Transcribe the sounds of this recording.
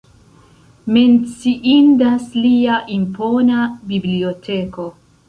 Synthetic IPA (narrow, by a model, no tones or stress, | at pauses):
ment͡siʔindasliaʔimponabibliotʰeko